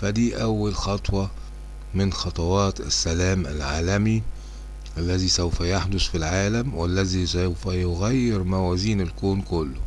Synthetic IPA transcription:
fæd̪iːʔæwːælxɑt̪ˤwɑ | mɪnxɑt̪ˤɑwɑːt̪ɪ̰sːælæːmʔæ̰lʕaːlæmi | ʔælːæziːsæwfæjaħd̪ʊsfilʕaːlæmwælːæzisæwfæjoɣæjːɪɾmæwæːziːnɪlkoːnkʊlːʊ

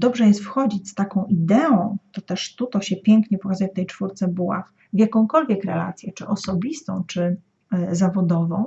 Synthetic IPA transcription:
d̪ɔbʐɛjɛst̪fxɔd͡ʑit͡ɕʲst̪akɔ̃w̃ʔid̪ɛɔ̃w̃t̪ɔt̪ɛʂt̪ut̪ɔɕɛpʲjɛŋkɲɛpɔkazajɛft̪ɛjt͡ʂfuɾt̪sɛbuwa̰x | vʲjakɔ̃w̃kɔlvʲjɛkɾɛla̰t̪sʲjɛt͡ʂɘʔɔsɔbʲist̪ɔ̰̃w̃t͡ʂɘ | zavɔd̪ɔvɔ̰̃w̃

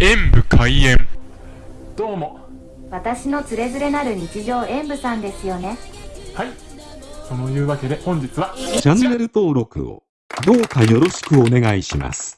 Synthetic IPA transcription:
ẽ̞mbɯ̟kʰaiẽ̞m | d̪̥o̞ːmo̞ | βat̪aɕino̞t͡sɨɾe̞zɨɾe̞naɾɯ̟ɲ̟it͡ɕiʑo̞ːʔẽ̞mbɯ̟sãnd̪e̞sɨjo̞ne̞hai | so̞no̞jɯ̟ːβake̞d̪e̞hõ̞ɲ̟d͡ʑit͡sɨβat͡ɕãnːe̞ɾɯ̟t̪o̞ːɾo̞kɯ̟̰o̰ | d̪o̞ːkajo̞ɾo̞ɕi̥kɯ̟o̞ne̞ɡaiɕima̰sɨ̥

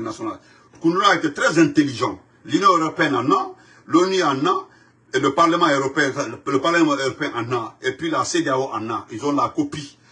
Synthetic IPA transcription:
nasɔna̰l | kũndulaet̪et̪ɾɛzɛ̃nt̪eliʒãt | lynjɔ̃øɾopeɛ̃nanã | loniãnã | eləpaɾləmãøɾopeɛ̃ləpaɾlemãøɾopeɛ̃ʔãnãepɥilasedeaoʔãnãilzɔ̃lakopi

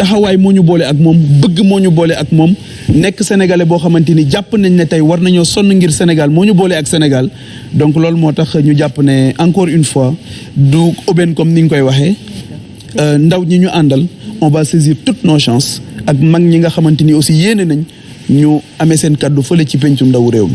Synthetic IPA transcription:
tɐxɐwaːjmɔːɲubɔːlɛɐk̚mɔːmbəɡːəmɔːɲubɔːlɛʔɐk̚mɔːm | nɛkːəsɛnɛɡalɛbɔːxɐmɐntiniɟapːənɛɲnɛtɐjwɐrnɐɲɔːsɔnːəŋɡirsɛnɛɡalmɔːɲubɔːlɛɐksɛnɛɡal | dɔŋklɔːlmɔːtɐxɲuɟapːənɛʔɐŋkɔːɾynfwaduɔbɛnkɔmniŋkɔjwɐxɛ | ndɐwɲɐɲuʔandɐlɔ̃baːseziːɾtutnɔʃãːsɐk̚mɐŋɲiŋɡɐxɐmɐntiniɔsijeːnənɐɲ | ɲuɐmɛsɛnkɐdufəlecip̬eɲt͡ʃundɐwɾeːwmi

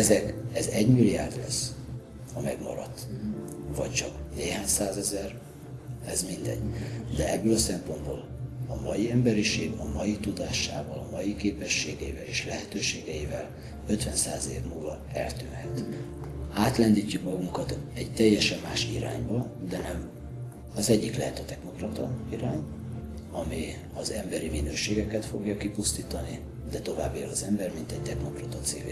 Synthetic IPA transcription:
ɛzɛkɛzɛɟmilːija̰ːrd̪lɛ̰s | ɒmɛɡmɒ̰ɾɒ̰t̪ː | vɒct͡ʃɒkneːɦaːɲsaːzɛzɛr | ɛzmind̪ɛ̰ɟːd̪ɛɛbːøːlɒsɛmpo̞nd̪boːlɒmɒjiɛmbɛɾiʃeːɡɒmɒjit̪ud̪aːʃaːvɒlɒmɒjikeːpɛʃːeːɡɛivɛleːʃlɛɦɛt̪øːʃeːɡɛivɛl | ø̞t̪ʋɛnsaːzeːvmulvɒ | ɛlt̪yːnhɛt̪ | aːt̪lɛnd̪icːukmɒɡuŋkɒt̪ɛɟt̪ɛjːɛʃɛmːaːʃḭɾa̰ːɲbɒd̪ɛnɛm | ɒzɛɟːiklɛɦɛt̪ɛt̪ɛkno̞krɒt̪ɒiɾaːɲ | ɒmi | ɒzɛmbɛɾiminøːʃeːɡɛkɛt̪fo̞̰ɡjɒkipust̪iːt̪ɒni | d̪ɛt̪o̞vaːbːilɒzɛmbɛrmint̪ɛɟ̚t̪ɛkno̞krɒt̪ɒt̪sḛːvḛː

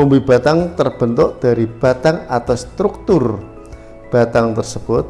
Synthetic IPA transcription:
umbiba̤t̪aŋt̪ərb̥ənt̪ʊʔd̪̥a̤ɾib̥a̤t̪aŋat̪awst̪ɾuk̚t̪ʊr | b̥a̤t̪aŋt̪ərsəb̥ʊt̪̚

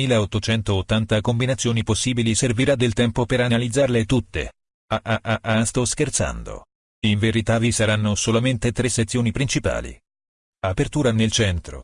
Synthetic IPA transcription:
miːleot̪ːot͡ʃɛnt̪oːt̪ːant̪akombinat̪sːjoːniposːiːbiliserviɾad̪elt̪ɛmpopeɾanalid̪zːarlet̪ut̪ːḛ | aʔaʔaʔast̪ɔskert̪sa̰nd̪o̰ | iɱveɾit̪avisaɾanːosolament̪et̪ɾesːet̪sːjoːnipɾint͡ʃipa̰ːlḭ | apert̪uːɾanelt͡ʃɛnt̪ɾo̰

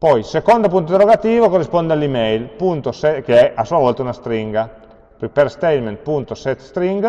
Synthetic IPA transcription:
pɔjsekond̪opunt̪od̪eɾoɡat̪iːvokorːispɔnd̪ealimɛjlpunt̪osɛkeɛʔasuavɔlt̪aunast̪ɾiŋɡa | ppeɾst̪ɛjlment̪̚punt̪osɛt̪ːst̪ɾiŋɡ

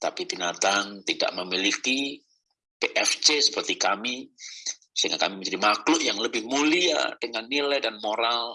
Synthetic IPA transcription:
t̪apibinat̪aŋt̪ida̰ʔməmiliki | peʔɛft͡ʃesə̥pərt̪ikami | səiŋɡaka̰miməɲd͡ʒadimaklʊʔjaŋləbɪhmulia̰dəŋanːilajdanmoɾal

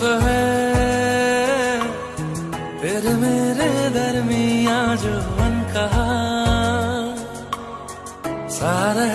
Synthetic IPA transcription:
ɦɛ | t̪eːɾemeːɾed̪ʱɐɾmijãːd͡ʒomɐnka | saːɾe

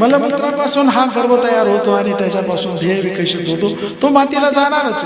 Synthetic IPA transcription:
məlamət̪ɾjapasuːnɦaɡəɾbət̪əjaɾɦot̪oaɽ̃it̪jat͡ɕjapasuːnd̪ʱeʋikəɕit̪ɦot̪o | t̪omat̪ilad͡zaɽ̃aɾət͡se̥

